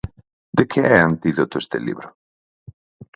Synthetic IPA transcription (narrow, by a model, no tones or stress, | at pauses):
d̪ekʰeɛant̪iðot̪oest̪ḛlḭβɾo